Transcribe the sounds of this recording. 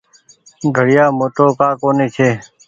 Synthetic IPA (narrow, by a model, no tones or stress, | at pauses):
ɡʱəɽɪjaːmoːʈoːkaːkoːneːt͡ʃʰeː